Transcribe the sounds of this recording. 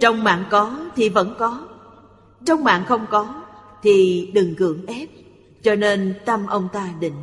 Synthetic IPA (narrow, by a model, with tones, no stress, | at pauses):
t͡ɕɔ˧wŋ͡mma̰ː˧˨nkɔ˨˦t̪ʰi˨˩və̰˧˥nkɔ˨˦ | t͡ɕɔ˧wŋ͡mma̰ː˧˨nxə˧wŋ͡mkɔ˨˦t̪ʰi˨˩ɗɨ˨˩ŋkɨ̰˧˩əŋʔɛ˦˥p̚ | t͡ɕɔ˧ne˧nt̪ə˧mʔə˧wŋ͡mt̪aː˧ɗḭ̈˧˨ŋ̟